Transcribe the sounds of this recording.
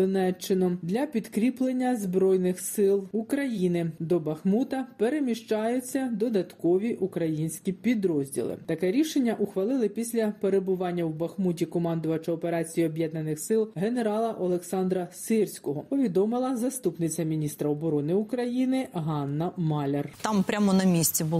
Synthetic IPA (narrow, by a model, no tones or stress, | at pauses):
ɔnɛt͡ʃːɪnɔd̪lʲɐpʲid̪kɾʲiplˠenʲːɐzbɾɔjnɪxsɪlˠukɾɐjinɪd̪ɔbɐxmut̪ɐpeɾemʲiʃt͡ʃɑjʊt͡sʲːɐd̪ɔd̪ɐt̪kɔʋʲiʔukɾɐjinʲsʲkʲipʲid̪ɾɔzʲdʲḭlˠɪ̰t̪ɐkɛɾʲiʃenʲːɐʔʊxʋɐlˠɪlˠɪpʲisʲlʲɐpeɾebʊʋɑnʲːɐwbɐxmutʲikɔmɑnd̪ʊʋɐt͡ʃɐɔpeɾɑt͡sʲijiɔbʲjɛd̪nɐnɪxsɪlˠɦeneɾɑlˠɐʔɔlˠeksɑnd̪ɾɐsɪrsʲkɔɦɔpɔʋʲid̪ɔmɪlˠɐzɐst̪upnɪt͡sʲːɐmʲinʲist̪ɾɐɔbɔɾɔnɪukɾɐjinɪɦɑnːɐmɑlʲert̪ɑmpɾʲamɔnɐmʲisʲt͡sʲibʊ